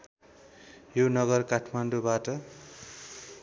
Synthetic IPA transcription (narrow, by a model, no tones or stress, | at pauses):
jonʌɡʌrkaʈʰmanɖubaʈʌ